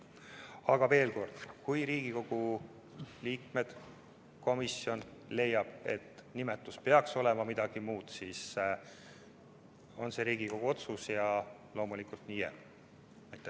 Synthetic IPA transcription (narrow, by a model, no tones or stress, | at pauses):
ɑɡ̥ɑve̞ːlko̞rd̪̥kujɾiːɡ̥iko̞ɡ̥u | liːk̚me̞d̪̥ | ko̞misio̞nle̞jːɑb̥e̞̰t̪ːnimet̪ːˑuspe̞ɑkso̞le̞mɑmid̪̥ɑɡ̥imuːd̪̥siːs | o̞nse̞ɾiːɡ̥iko̞ɡ̥uo̞t̪susjɑ | lo̞ːmulikult̪nijḛ | næjt̪ːˑe